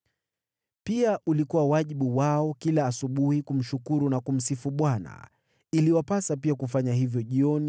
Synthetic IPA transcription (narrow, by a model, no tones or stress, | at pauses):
piaʔulikuwawaʄiɓuwaɔkilaːsuɓuhikum̩ʃukuɾunakum̩sifuɓwana̰ | iliwapasapiakufaɲaɦivjɔʄiɔni